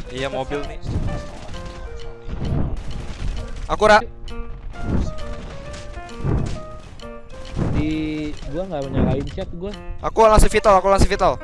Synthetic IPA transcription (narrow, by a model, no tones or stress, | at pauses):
ijamobilni | ai | ʔakuɾa | d̪iɡuaŋɡamɲakaint͡ʃat̪̚ɡuaʔakulaŋsufit̪alakulaŋsufit̪al